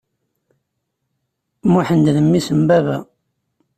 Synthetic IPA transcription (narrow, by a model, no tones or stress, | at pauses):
muħənd̪ðəmːisəmbævæ